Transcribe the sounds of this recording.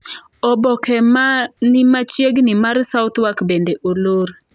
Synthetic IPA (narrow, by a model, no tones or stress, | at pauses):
ɔbɔkɛnɪmat͡ʃjeɡnɪmarsawt̪wakbendeʔoloɾ